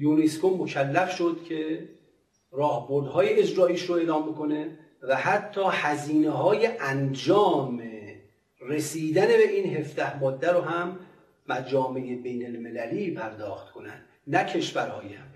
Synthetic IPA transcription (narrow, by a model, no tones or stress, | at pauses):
juneskomːo̞cʰælːæfʃo̞d̪̥cʰe̞ | ɾɒːhbo̞ɾd̪hɒːjeed͡ʒɾɒːiːʃɾoe̞ːlɒːmbeko̞ne̞ | væhæt̪ʰːɒːhæziːneɦɒːje̞ʔænd͡ʒɒːme | ɾe̞siːd̪æne̞be̞ʔiːnɦe̞fd̪æhmɒːd̪ːæɾoɦæmː | æd͡ʒɒːmeʔebejnelme̞læliːpʰæɾd̪ɒːxt̪̚kʰo̞nænd̪̥ | næcʰe̞ʃvæɾhɒ̰ːjæm